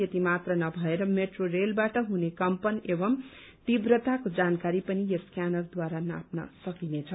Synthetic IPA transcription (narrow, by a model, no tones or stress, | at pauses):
jʌt̪imat̪rʌnʌbʱʌeɾʌmeʈrorelbaʈʌɦunekʌmpʌnebʌm | t̪ibrʌt̪akod͡zankaɾipʌnijʌskjanʌrd̪waɾana̰p̚nʌ̰sʌkinet͡sʰʌ